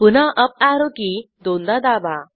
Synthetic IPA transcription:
punaʔəp̚aɾokid̪ond̪ad̪aba

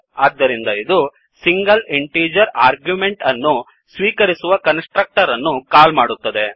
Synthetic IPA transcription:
ɐd̪ːɐɾind̪ɐid̪u | siŋɡɐleɳʈeːd͡ʒɐɾaːɾɡjumeɳʈɐnːu | sʋiːkɐɾisuʋɐkɐnsʈɾɐk̚ʈɐɾɐnːukaːlmaːɽut̪ːɐd̪e̞

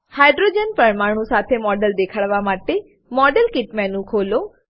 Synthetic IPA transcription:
hajɖɾod͡ʒənpəɾmaɽ̤̃ũsat̪ʰemɔɖəld̪ekʰaɭʋamaʈe | mɔɖəlkɪʈmɛ̃nũkʰolo

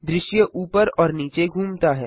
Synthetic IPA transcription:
d̪ɾɪʃjəʔuːpəɾɔːɾniːt͡ʃeɡʱuːmt̪aɦɛ̰ː

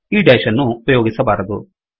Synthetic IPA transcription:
iːɖɐjʃɐnːuːpɐjoːɡisɐbaːɾɐd̪u

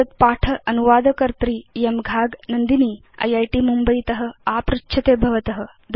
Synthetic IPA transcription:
ɐt̪̚paːʈʰɐɐnuʋaːd̪ʱəkɐɾt̪ɾiːjemɡʱaːɡnɐnd̪iniː | ɐ̰jajʈiːmumbəjt̪ɐɦə̆apɾutːɕʰɐt̪eːbʱɐʋɐt̪ɐɦə̆ | d̪

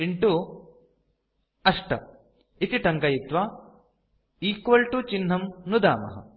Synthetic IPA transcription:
iɳʈu | ɐʂʈɐ̰ | it̪iʈɐŋkɐjit̪ʋaː | iːkʋɐɭʈut͡ʃinɦɐmnud̪a̰ːmɐ̰ɦɐ̰

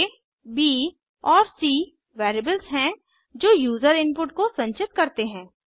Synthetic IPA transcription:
biː | ɔːɾsiː | ʋɛːɾeːbəlsɦɛ̃ | d͡ʒoːjuːzəɾɪ̃npʊʈkosɐ̃nt͡ʃɪt̪kɐɾt̪eɦɛ̃ː

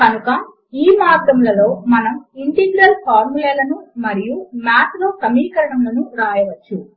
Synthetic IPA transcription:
kɐnukɐ | iːmaːd̪ɐmlɐlo̞ːmɐnɐmiɳʈiʋiɾɐlpʰaːɾmuleːlɐnumɐɾijumaːt̪loːsɐmiːkɐɾɐɳɐmlɐnuɾaːjɐʋɐt͡ʃːu

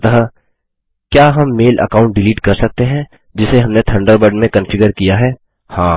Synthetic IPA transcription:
t̪ɐɦ | kjaːɦɐmːeːlʔɐ̰kaːʊ̃ɳʈ̚ɖɪliːʈkɐɾsɐk̚t̪eɦɛ̃ | d͡ʒɪseɦɐmnet̪ʰɐ̃ɳɖəɾbəɖmẽkɐ̃nfɪɡəɾkijaɦɛː | hãː

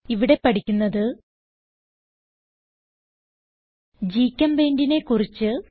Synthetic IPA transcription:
iʋiɽe̞pɐʈikʲːunːɐðɨ | d͡ʑiːkʲːɐmbe̞ːndine̞kurit͡ɕːɨ

